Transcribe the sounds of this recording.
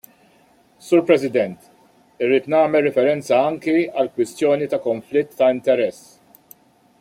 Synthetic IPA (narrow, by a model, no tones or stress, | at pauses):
suːɾpɾɛsɪd̪ɛnt̪ | ɪrːiːt̪nɐːmɛlːɛfɛɾɛnt͡sɐɐŋkiɐlkwɪst̪jɔːnit̪ɐkɔɱflɪt̪ːɐɪnt̪ɛɾɛsː